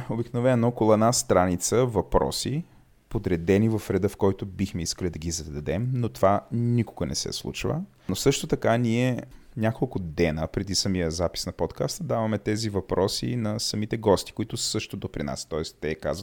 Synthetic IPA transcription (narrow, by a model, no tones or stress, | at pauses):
obiknovɛnːoɔkolˠɛd̪nast̪ɾanit̪səvɐpɾɔ̰si | pod̪ɾɛd̪ɛnivɐfɾɛd̪əfkɔjt̪ʊbixmɛiskəlʲid̪ɐɡizɐd̪ɐd̪ɛmnot̪ovanikoɡənɛ̰sɛ̰slˠṵt͡ʃvə̰ | nosɤʃt̪ot̪ɐkanʲiɛ | nʲakolˠkʊd̪ɛnəpɾɛd̪isɐmijəzapi̥snɐpɔt̪kast̪d̪avɐmɛt̪ɛzivɐpɾʔɔsḭnɐsɐmit̪ɛɡɔst̪i̥kʊit̪ʊsɤʃt̪od̪opɾina̰st̪ɔɛst̪ɛka̰zvət̪